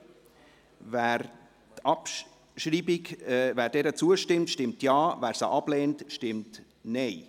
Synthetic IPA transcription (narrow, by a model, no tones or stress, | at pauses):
væːɾ | tɑp | ʃɾiːbikvæːɾdɛɾət͡suəʃtɪmtʃtɪmtjɑːvæːɾsa̰ʔɑb̥lɛːntʃtɪmt | nɛɪ